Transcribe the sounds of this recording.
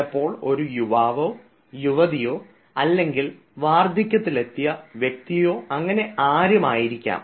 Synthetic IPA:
ɐpːo̞ːɭo̞ɾujuʋaːʋo̞ː | juʋɐðijo̞ː | ɐlːe̞ŋɡil | ʋaːrd̪ʱjikʲːɐt̪ːile̞t̪ːijɐʋjek̚t̪ijo̞ːɐŋːɐne̞aːɾjɐmaːjiɾikʲːa̰ːm

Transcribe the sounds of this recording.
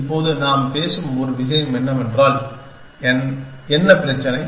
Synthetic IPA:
pːoːðɯnaːmpeːsɯmɔɾɯʋɪɣɐjɐmɛnːɐmɛndraːl | ɛn | ɛnːɐpɪɾɐt͡ʃːɐnɐɪ

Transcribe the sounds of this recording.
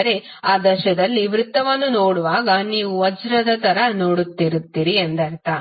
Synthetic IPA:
ɐɾe̞ | aːd̪ɐʃɐd̪ɐlːiʋɾɪt̪ːɐʋɐnːunoːɽuʋaːɡɐniːʋuʋɐd͡ʒɾɐd̪ɐt̪ɐɾɐno̞ːɽut̪ːiɾut̪ːiːɾiend̪ɐɾt̪a

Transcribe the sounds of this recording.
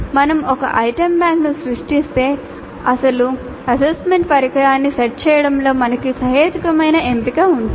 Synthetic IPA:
mɐnɐmɔkɐ̰ʔɐjʈɐmbaːŋknusɾuʂʈist̪e̞ː | ɐsɐlu | ɐsesʈmeɳʈpɐɾɐkɐɾaːnːisɐɾ̚t͡ʃɛːjɐɽɐmlo̞ːmɐnɐkisɐɦeːt̪ikɐmɐjnɐempikaund̪i

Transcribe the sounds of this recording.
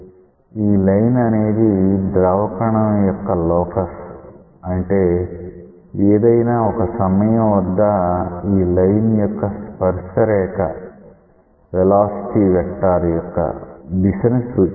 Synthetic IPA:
iːlɐjnɐne̞ːd̪id̪ɾɐʋɐkɐɳɐmjɔkːɐlɔːkɐs | ɐɳʈe̞ː | eːd̪ɐjnaːɔkɐsɐmɐjɐmʋɐd̪ːɐiːlɐjnjɔkːɐspɐɾʂɐɾɛːkɐ | ʋɛlaːsi̥ʈiːʋɛʈːaːɾɐjɔkːɐ̰d̪iʃɐnusu

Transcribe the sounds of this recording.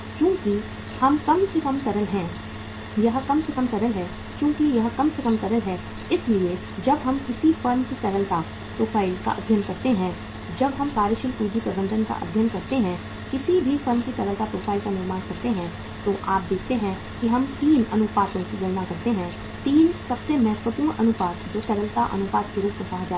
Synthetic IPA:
kjõːki | hɐmkɐmkikɐmkɐɾəlɦɛ̃ː | jɐɦkɐmsekɐmkɐɾəlɦɛ | kjõːkijɐɦkɐmsekɐmkɐɾəlɦɛ | ɪslie | d͡ʒɐbɦɐmkɪsifɐɾmkikɐɾəlka | pɾoːfʰaːɪlka̰ʔɐ̰b̪ʱjənkɐɾt̪eɦɛ̃ | d͡ʒɐbɦɐmkaːɾəʃɪlpuːd͡ʒipɾɐbə̃nd̪ʱənka̰ʔɐ̰b̪ʱjənkɐɾt̪eɦɛ̃ | kɪsibʱifɐɾmkik̪ɐɾəlt̪apɾoːfʰaːɪlkanɪɾmaːnkɐɾt̪eɦɛ̃ | t̪oʔaːp̚d̪eːkʰt̪eɦɛ̃ | kiɦɐmt̪iːnɐnʊpaːt̪õkid͡ʒɐnmakɐɾt̪eɦɛ̃ | t̪iːnsɐbsemɛɦɛt̪wət̪iõʔɐnʊpaːt̪d͡ʒoːsɛɾəlt̪aʔɐ̰nʊpaːt̪keɾuːpmẽsaɦd͡ʒaː

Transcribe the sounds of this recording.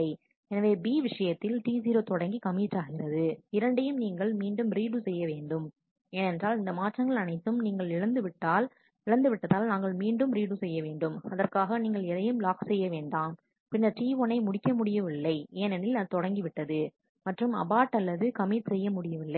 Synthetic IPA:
ɐɪ | ɛnɐʋeːbiːʋɪʂɐjɐt̪ːɪlʈiːsiːɾoːt̪ɔɽɐŋɡikɐmiːʈraːɣɪrɐðɯɪɾɐɳɖɛjɯmniːŋɡɐɭmiːɳɖɯmɾiːɽusɛjːɐʋeːɳɖɯm | eːnɛndraːlɪnd̪ɐmaːʈrɐŋɡɐɭɐnɐɪt̪ːɯmniːŋɡɐɭɪɻɐnd̪ɯʋɪʈːaːl | ɪɭɐnd̪ɯʋɪʈːɐðaːlnaːŋɡɐɭmiːɳɖɯmɾiːɽusɛjːɐʋeːɳɖɯmɐðɐrkaːɣɐniːŋɡɐɭɛðɐjɯmlaːksɛjːɐʋeːɳɖaːm | pɪnɐʈiːʋonɐɪmʊɽɪkːɐmʊɽɪjɐʋɪlːɐɪeːnɛnɪlɐt̪ɔɽɐŋɡiʋɪʈːɐðɯ | mɐʈrɯmɐ̰baːʈːɐlːɐðɯkɐmiːʈsɛjːɐmʊɽɪjɐʋɪlːɐɪ

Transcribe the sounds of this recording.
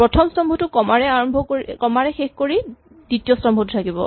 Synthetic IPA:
pɹɔtʰɔmstɔmbʱɔtʊkɔmaɹɛaɹɔmbʱɔkoɹikɔmaɹɛxexkoɹi | ditijɔstɔmbʱɔtʊtʰakibɔ̰

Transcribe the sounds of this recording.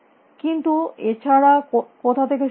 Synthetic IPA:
kint̪uet͡ɕʰaɽakot̪ʰat̪ʰek̬e

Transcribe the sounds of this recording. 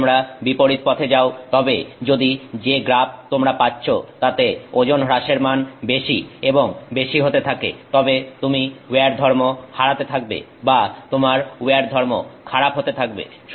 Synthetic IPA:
mɾabipoɾit̪̚pɔt̪ʰed͡ʑaot̪ɔbed͡ʑod̪id͡ʑeɡɾab̚t̪omɾapatːɕʰot̪at̪eod͡ʑonɾaʃeɾmanbeʃieboŋbeʃiɦot̪et̪ʰakḛt̪ɔbet̪umiweaɾd̪ʱɔɾmohaɾat̪et̪ʰak̚bḛ | bat̪omaɾueaɾd̪ʱɔɾmokʰaɾapɦot̪et̪ʰak̚bḛ | ʃ

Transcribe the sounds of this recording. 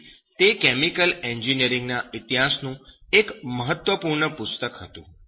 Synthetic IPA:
t̪ekɛmikəlɛɲd͡ʒinijəɾɪ̃ŋɡnaɪt̪iɦasnũekməɦət̪ʋəpuɾɳəpʊst̪əkɦət̪ṵ̃

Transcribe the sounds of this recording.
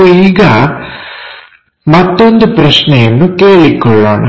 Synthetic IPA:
iːɡɐ | mɐt̪ːond̪upɾɐʃnɛjɐnːukeːɭikːɔɭːoːnɐ

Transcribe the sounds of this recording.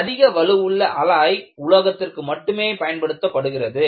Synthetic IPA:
ɐðɪɣɐʋɐɻɯʋɯɭːɐʔɐlaːjʊlɐɣɐt̪ːɪrkɯmɐʈːɯmeːpɐjɐnpɐɽɯt̪ːɐpːɐɽɯɣɪrɐðɯ

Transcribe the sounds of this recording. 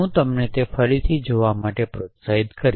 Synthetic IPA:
ũt̪əmnet̪efəɾit̪ʰid͡ʒoʋamaʈepɾot̪said̪kəɾ

